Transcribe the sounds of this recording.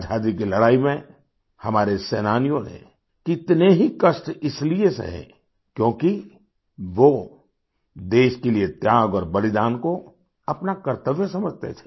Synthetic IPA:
d͡ʒʱaːd̪ikilɐɽaːimẽ | hɐmaːɾesɛːnaːnijõnḛ̃ | kɪt̪neɦikəʃʈɪsliesḛɦɛ̰̃ | kjõːki | ʋo | d̪eːʃkeliet̪jaːɡɔːɾbɐlɪd̪aːnko | ɐpnakɐɾt̪əʋjəsɐməd͡ʒʱt̪ḛt̪ʰe̥

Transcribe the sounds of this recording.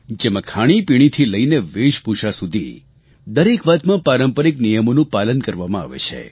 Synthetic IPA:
d͡ʒemãkʰaɽ̃ipiɽ̃it̪ʰiləineʋeʃpuʃasud̪ʱḭ | d̪əɾekʋad̪mãpaɾəmpəɾiknijəmonũpalənkəɾʋamãa̰ʋḛt͡ʃʰḛ

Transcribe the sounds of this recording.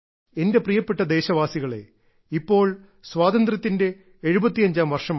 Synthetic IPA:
ende̞prijɐpːe̞ʈːɐd̪e̞ːɕɐʋaːsiɣɐɭe̞̰ | ipːo̞ːɭ | swaːd̪ɐnd̪rɐt̪ːinde̞ː | ɻubɐt̪ːijɐɲd͡ʑaːmʋɐrʂɐm

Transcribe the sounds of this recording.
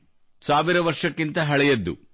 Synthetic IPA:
saːʋiɾɐʋɐɾʂɐkːint̪ɐɦɐɭɛjɐd̪ːṵ

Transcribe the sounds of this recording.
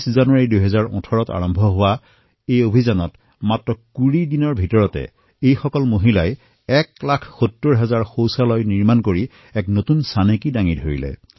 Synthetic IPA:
szanuaɹidujɦɛzaɹɔ̰̃tʰɔɹɔta̰ɹɔmbʱɔɦʊwa | ejobʱizanɔt | matɹɔkuɹidinɔɹbʱitɔɹɔtɛ̰ | ejxɔkɔlmoɦilaj | ɛklakʰxutːoɹɦɛzaɹxowsalɔjniɹmankoɹi | ɛknotunsanekidaŋidʱoɹḭlɛ̰

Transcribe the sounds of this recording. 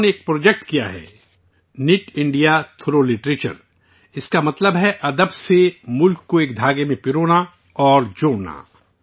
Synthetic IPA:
neːk̚pɾoːd͡ʒek̚ʈkija̰ɦɛ̰ː | nɪʈɪ̃ɳɖijat̪ʰoɾolɪʈɾeːt͡ʃə̰ɾ | ɪskamɐt̪ləbɦɛʔɐd̪əbsemʊlkːoeːkd̪ʱaːɡemẽpɪɾoːna | ɔːɾd͡ʒoːɽna̰

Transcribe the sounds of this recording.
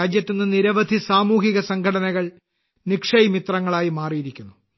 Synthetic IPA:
aːd͡ʑjɐt̪ːinːɨniɾɐʋɐd̪ʱisaːmuːhiɣɐsɐŋkʰɐɽɐnɐɣɐɭ | nikʂɐjimit̪rɐŋːɐɭaːjimaːrijiɾikʲːunːu

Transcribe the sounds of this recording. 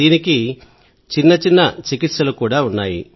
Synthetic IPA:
iːniki | t͡ʃinːɐt͡ʃinːɐt͡ʃikit̪ʃɐlukuːɽaːunːaːjḭ

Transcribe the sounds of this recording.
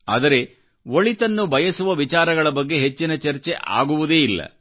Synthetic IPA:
a̰ːd̪ɐɾe̞ | oɭit̪ɐnːubʱɐjɐsuʋɐʋit͡ʃaːɾɐɡɐɭɐbɐɡːe̞ɦe̞t͡ʃːinɐt͡ʃɐɾt͡ʃe̞ʔa̰ːɡuʋud̪e̞ːilːɐ̰

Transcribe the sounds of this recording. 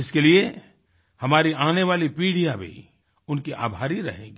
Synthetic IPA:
ɪskelie | hɐmaːɾiaːneʋaːlipiːɽijabʱḭ | ʊnkiʔa̰ːbʱaːɾiɾɐ̰ɦẽːɡi

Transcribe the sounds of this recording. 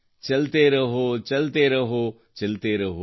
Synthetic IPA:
t͡ʃɐlt̪eɾɐɦot͡ʃɐlt̪eɾɐɦo | t͡ʃɐlt̪eɾɐɦo

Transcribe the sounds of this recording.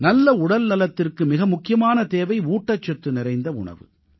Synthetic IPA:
nɐlːɐʊɽɐlnɐlɐt̪ːɪrkɯmɪɣɐmʊkːɪjɐmaːnɐt̪eːʋɐɪuːʈːɐt͡ʃːɐʈːrɯnɪɾɐɪnd̪ɐʊ̰ɳɐ̰ʋɯ̰

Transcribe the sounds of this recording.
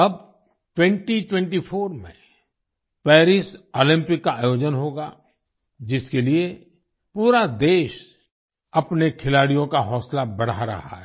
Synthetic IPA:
ɐb̚ | ʈwɛ̃ɳʈiʈwɛ̃ɳʈipʰoːɾmḛ̃ | pɛːɾɪsoːlɪ̃mpɪkːaaːjoːd͡ʒənɦoːɡa | d͡ʒɪskelie | puːɾad̪eːʃ | ɐpnekʰɪlaːɽijõkaɦɔːslabɐɽ̤aɾɐ̰ɦa̰ɦɛ

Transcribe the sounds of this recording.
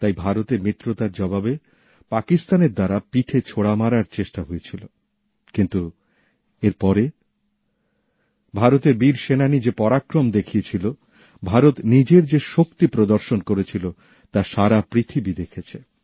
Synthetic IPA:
t̪ajbʱaɾot̪eɾmit̪ːɾot̪aɾd͡ʑɔbabe | pakist̪aneɾd̪aɾapiʈʰet͡ɕʰoɽamaɾaɾt͡ɕeʃʈaɦojet͡ɕʰilo | kint̪u | eɾpɔɾe | bʱaɾot̪eɾbiɾʃenanid͡ʑepɔɾakɾomd̪ekʰiet͡ɕʰilo | bʱaɾot̪nid͡ʑeɾd͡ʑeʃokt̪ipɾod̪oɾʃonkoɾet͡ɕʰilo | t̪aʃaɾapɾit̪ʰibid̪ekʰet͡ɕʰe

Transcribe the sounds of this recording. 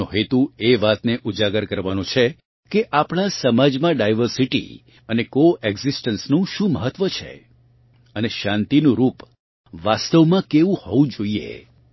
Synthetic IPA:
õɦet̪ueʋat̪neʔud͡ʒaɡəɾkəɾʋanũt͡ʃʰe | keʔapɽ̃asəmad͡ʒmãɖajʋəɾsiʈḭ | ənekoeɡzisʈənsnũʃũməɦət̪ʋət͡ʃʰḛ | əneʃãnt̪inũɾup | ʋast̪əʋmãkeʋũhɔʋũd͡ʒoiḛ

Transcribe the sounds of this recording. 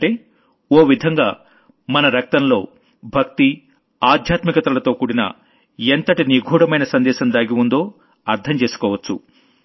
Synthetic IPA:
ɐɳʈeː | oːʋid̪ʱɐŋɡaː | mɐnɐɾɐk̚t̪ɐmlo̞ː | bʱɐk̚t̪i | aːd̪ʱjaːt̪mikɐt̪ɐlɐt̪o̞ːkuːɽinɐ̰ | ent̪ɐʈiniɡʱuːɽɐmɐjnɐsɐnd̪ɛːʃɐnd̪aːɡiund̪o̞ː | ɐɾt̪ʰɐmt͡ʃe̞ːsu̥kɔːʋɐt͡ʃːṵ

